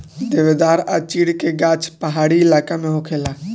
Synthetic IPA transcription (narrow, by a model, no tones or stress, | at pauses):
d̪eʋed̪aːɾa̰t͡ʃiɽkeɡãt͡ʃpəɦaːɽiɪlakamẽɦokʰela